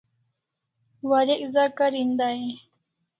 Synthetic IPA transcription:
waɾeʔzakaɾind̪ai

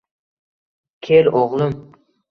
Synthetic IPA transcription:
kʲʰeloʁlˠʊm

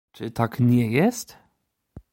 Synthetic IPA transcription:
t͡ʂɨt̪ʰakɲɛjɛst̪

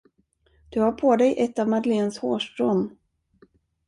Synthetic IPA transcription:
d̪̥ɵhaɾpʰoːd̪ɛjʔɛt̪ːavmad̪əleːnsho̰ːʂt̪ɾoːn

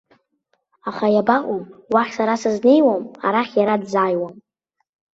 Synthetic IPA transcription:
aχajabaʔʷʼumwaχʲsaɾasazne̞jwamaɾaχʲjaɾadzaːjwam

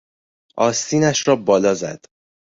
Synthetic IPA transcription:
ʔɒːst̪iːnæʃɾɒːbɒːlɒːzæ̰d̪̥

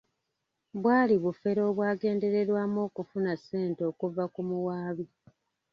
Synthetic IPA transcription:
βwaːliβufe̞ɾo̞ːβwaːɡe̞ːnde̞ɾe̞ɾwaːmoːkufunase̞ːnto̞ːkuvakumuwaːβi

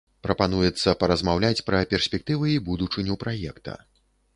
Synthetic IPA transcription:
pɾɐpan̪ujɛt̪sːɐpɐɾɐzmawlʲat͡sʲpɾɐpʲɛrsʲpʲɛk̚t̪ɨvɨibud̪ut͡ʂɨnʲupɾajɛkt̪ɐ̰

